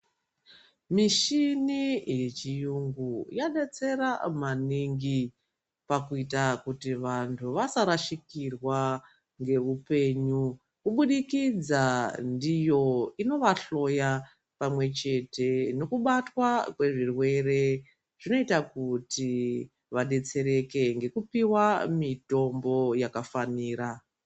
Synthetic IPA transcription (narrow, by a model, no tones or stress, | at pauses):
miʃinije̞t͡ʃijuŋɡujaɗet͡se̞ɾamaniŋɡi | pakuitakutiʋantʰuʋasaɾaʃikirwa | ŋɡe̞ʋupe̞ɲu | kuɓuɗikid͡zandijo̞ino̞ʋaɬo̞ja | pamwe̞t͡ʃe̞te̞no̞kuɓatwakwe̞ʐirwe̞re̞ | ʐ̥ino̞itakuti | ʋaɗe̞t͡se̞ɾe̞ke̞ŋɡe̞kupiwamito̞mbo̞jakafaniːɾa